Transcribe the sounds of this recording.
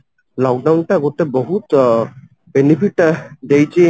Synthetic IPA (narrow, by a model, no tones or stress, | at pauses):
lɔk̚dawnʈaɡotɛbɔɦut | benipʰiʈdejte